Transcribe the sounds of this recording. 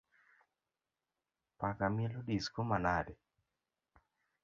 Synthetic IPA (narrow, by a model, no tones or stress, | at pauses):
pakamɛlodiskomanadɛ